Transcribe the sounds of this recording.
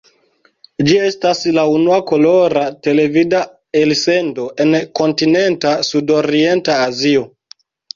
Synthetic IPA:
d͡ʒie̞staslaunuako̞lo̞ɾate̞le̞vida | else̞ndo̞ʔe̞nko̞ntine̞ntasudo̞ɾie̞ntaːzio̞

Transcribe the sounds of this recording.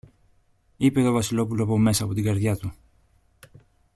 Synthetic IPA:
ipe̞t̪o̞vɐsilo̞pulopo̞me̞sɐːpo̞t̪iɡɐɾðʝɐt̪u

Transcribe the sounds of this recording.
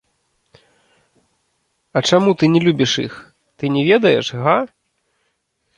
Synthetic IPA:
ɐt͡ʂamut̪ɨnʲɛlʲubʲiʂḭx | t̪ɨnʲɛvʲɛd̪ɐjɛ̰ʂɣa

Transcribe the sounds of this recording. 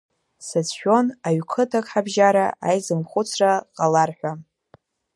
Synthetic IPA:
sat͡sʰʃᶣo̞naɥkʰɨtʰakʼħabʒaɾa̰ʔajzɨmχʷʊt͡sʰraqʼalarħʷᶣa

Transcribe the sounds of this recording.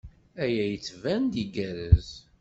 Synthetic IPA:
æjæjət͡sːvænd̪iɡæɾəz

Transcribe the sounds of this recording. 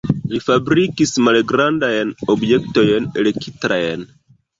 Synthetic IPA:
lifabɾikismalɡɾandajno̞bjek̚tojnele̞kʰitɾajn

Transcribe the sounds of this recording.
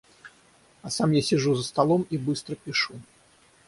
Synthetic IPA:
asamjasʲɪʐuzəst̪alˠɔmibɨst̪ɾəpʲiʂu

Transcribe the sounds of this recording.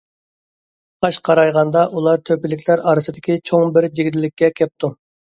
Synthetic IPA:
qɑʃqʰɑɾɑjʁɑnd̪ɑʔulˠɑɾt̪ʰøpɪlɪkʲʰlæɾɑːɾɨsɨd̪ɪkʲit͡ʃʰoŋbɪɾd͡ʒeɡʲid̪ɪlːɪkʲːɛkʲʰɛp̚t̪u

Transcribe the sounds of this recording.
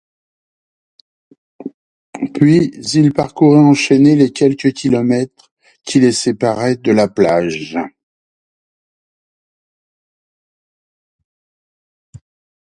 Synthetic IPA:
pɥizilpaʁkuʁɛɑ̃ʃɛnelekʲɛlkʲəkʲilɔmɛt̪χ | kʲʰilesepaʁɛd̪əlaplaʒ

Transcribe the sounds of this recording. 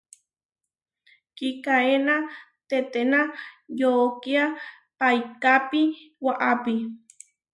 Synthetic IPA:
kikaena | t̪et̪enajokia | pajkapiwaʔapi

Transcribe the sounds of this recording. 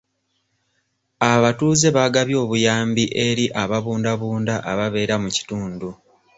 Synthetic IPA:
aβatuːze̞βaɡaβjo̞ːβujaːmbiʔe̞ɾiʔaβaβuːndaβuːndaʔaβaβe̞ːɾamuci̥tuːndu

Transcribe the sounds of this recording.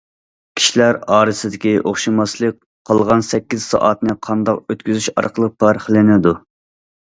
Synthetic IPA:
kʲʰi̥ʃilæɾɑːɾɨsɪd̪ɪkʲiʔoχʃimɑslˠək̚ʲ | qʰɑlˠʁɑnsɛkʲːiz̥sɑ̰ʔɑt̪nɨqʰɑnd̪ɑqøt̪kʲyzyʃɑ̰ɾqʰəlˠəq̚pʰɑɾχəlˠɪnɪd̪u

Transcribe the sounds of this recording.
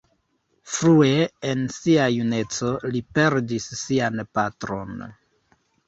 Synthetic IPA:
fɾue̞ensiajune̞t͡so̞lipe̞ɾdisːianpatɾo̞̰n

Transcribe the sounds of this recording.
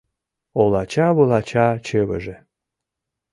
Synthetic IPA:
olɑt͡ɕɑβɤlɑt͡ɕɑt͡ɕeβə̰ʒe

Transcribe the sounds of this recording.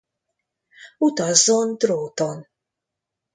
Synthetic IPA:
ut̪azɔnd̪ɾowt̪ɔn

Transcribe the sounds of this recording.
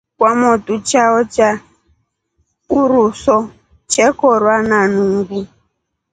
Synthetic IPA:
kwamɔtut͡ʃaɔt͡ʃa | uɾusɔ | t͡ʃɛkɔrwananuŋɡu

